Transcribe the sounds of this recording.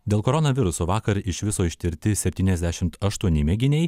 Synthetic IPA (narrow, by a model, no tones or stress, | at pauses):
d̪ʲeːlˠkoːɾɔnɐʋʲɪɾʊsoːʋɑːkɐɾɪʃʋʲɪsoːɪʃʲt̪ʲɪɾʲt̪ʲɪsʲɛpʲt̪ʲiːnʲɛzd̪ʲæʃʲɪmt̪ɐʃt̪uɔnʲɪmʲɛɡʲɪnʲɛɪ